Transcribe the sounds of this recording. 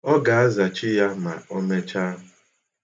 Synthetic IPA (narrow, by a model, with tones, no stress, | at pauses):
ɔ˦ɡa˨a˦za˨t͡ʃɪ˦ja˦ma̰˨o˦me˦t͡ʃa˦ɦʊ˨